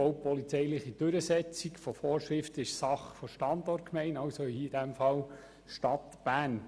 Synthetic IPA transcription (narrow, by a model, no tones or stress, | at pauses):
owpɔlit͡sɛɪlɪχid̥ɵɾəsɛt͡sikfɔfɔːɾʃʁɪftəɪʃsɑχfɔʃtɑndɔrt̚kmɛɪnɑwsoihid̥æmfɑl | ʃtɑtb̥æːn